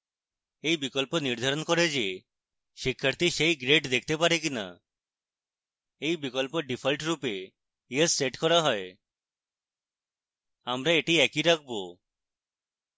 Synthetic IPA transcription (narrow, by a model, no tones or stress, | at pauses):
ejbikɔlponiɾd̪ʱaɾɔnkɔɾed͡ʒe | ʃikʰːaɾt̪iʃejɡɾeʈd̪ek̚ʰt̪epaɾek̬ina̰ | ejbikɔlpoɖipʰəlʈɾupe | iesːeʈkɔɾaɦɔe | amɾaeʈiɛkiɾak̚ʰbo